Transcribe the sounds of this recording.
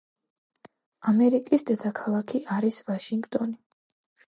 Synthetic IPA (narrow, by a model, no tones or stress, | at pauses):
amɛɾikʼisd̪ɛd̪akʰalˠakʰiaɾisvaʃiŋɡt̪ʼɔni